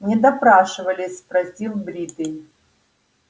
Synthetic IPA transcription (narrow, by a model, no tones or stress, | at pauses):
nʲɪd̪ɐpɾaʂɨvəlʲɪsʲpɾɐsʲd̪ʲilˠbɾʲid̪ɨnʲ